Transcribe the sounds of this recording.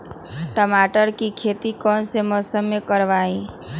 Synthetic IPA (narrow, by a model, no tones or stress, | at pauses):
ʈəmaːʈəɾkikʰeːt̪ikɔːnsemɔːsəmːẽkəɾʋaːĩ